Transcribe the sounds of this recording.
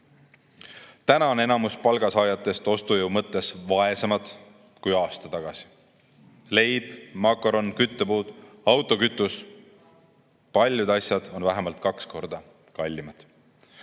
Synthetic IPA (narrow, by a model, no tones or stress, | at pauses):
t̪ænɑone̞nɑmuspɑlɡ̥ɑsɑːjɑt̪ːˑe̞st̪o̞st̪ujuwmɤt̪ːˑe̞svɑe̞semɑd̪̥ | kujɑːst̪ɑt̪ɑɡ̥ɑsi̥ | le̞jb̥mɑkːˑo̞ɾo̞nkyt̪ːepuːd̪̥ | ɑwt̪ːˑo̞kyt̪ːˑus | pɑlʲːjud̪ɑsʲjɑd̪̥o̞nvæɦemɑlt̪̚ˑkɑksko̞rd̪̥ɑ | kɑlʲːimɑd̪̥